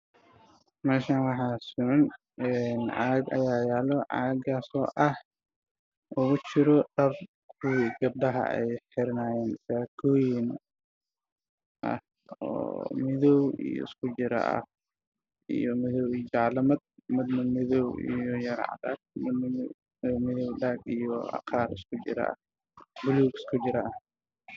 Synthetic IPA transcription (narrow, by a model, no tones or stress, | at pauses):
mɛːʃaːnwɑħaːsʊʕɐn | ɛnʕaɡɐ̰jaːjaːlɔʕa̰ːɡaːsɔ̰ːʔɐh | ʔʊɣʊt͡ʃɪɾɔɖ̥ɐr | kʰʊwiɡɐb̚ɖɐɦɐ̰ʔɛ̰jħɪɾnaːjɛːnsakʰɔːjɪn | ʔɐ̰h | ɔ̰ːmɪðɔwḭjɔ̰skʰʊd͡ʒɪɾɐ̰ʔɐ̰h | ḭjɔmɪðɔwid͡ʒɑʕlɐmɐd̪̚mɪd̪mɐmɪðɔwḭjɔjɐɾ̰ʕɑ̰d̪ɐ̰ | mɪ | mɪðɔwɖaɡijɔɑ̰qʰaːɾɪskʰʊd͡ʒɪ̰ɾɐ̰ʔɐ̰h | bʊluːkɪ̥skʰʊd͡ʒɪɾɐʔɐh